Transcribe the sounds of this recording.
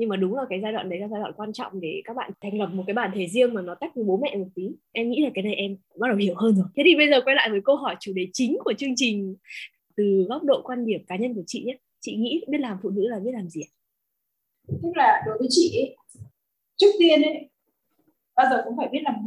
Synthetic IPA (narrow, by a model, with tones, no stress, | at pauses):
ɲɨ˧ŋmaː˨˩ɗʊ˨˦ŋ͡mlaː˨˩kaː˨˦jzaː˧jɗwa̰ː˧˨nɗə˨˦jlaː˧zaː˧jwa̰˧˨nkwaː˧nt͡ɕɔ̰˧˨wŋ͡mɗe˧˩kaː˦˥k̚ɓa̰ː˧˨t̪ʰa˨˩jŋ̟lə˨˩p̚mo˨˩t̚ka˨˦jɓaː˧˩˨nt̪ʰe˧˩zi˧əŋmaː˨˩nɔ˨˦t̪a˦˥jk̚əː˨˦jɓo˨˦mɛ̰˧˨mo˨˩t̚t̪i˨˦ʔɛ˧mŋḭ˧˥laː˨˩kaː˨˦jna˨˩jʔɛ˧mkʊ˧ŋ͡mɓa˦˥ɗə˨˩whi˧˩əwɦəː˧nzo˨˩jt̪ʰe˨˦˥i˧˩ɓə˧jzəː˨˩kwa˧jla̰ː˧˨jvəː˨˦jkə˧ɦɔ˧˩jt͡ɕu˧˩ɗe˨˩t͡ɕï˨˦ŋ̟ku˧˩ət͡ɕɨ˧əŋt͡ɕï˨˩ŋ̟ | t̪ɨ˨˩ɣɔ˦˥wk͡p̚ɗo̰˧˨kwaː˧nɗi˧˩əp̚kaː˨˦ɲə˧nku˧˩ət͡ɕḭ˧˨ɲa˦˥ | t͡ɕḭ˧˨ŋḭ˧˥ɓi˦˥ət̚laː˨˩mfṵ˧˨nɨ̰˧˥laː˨˩ɓi˦˥t̚laː˨˩mzi˨˩ʔa˨˦ | t̪ɨ˦˥k̚laː˨˩ɗo˨˦jvəː˨˦jt͡ɕḭ˧˨ʔe˨˦ | t͡ɕɨ˦˥ək̚t̪i˧ən˨˦ | ɓaː˧zəː˨˩xʊ̰˧˥wŋ͡mfaː˧˩jɓi˦˥ət̚laː˨˩m˧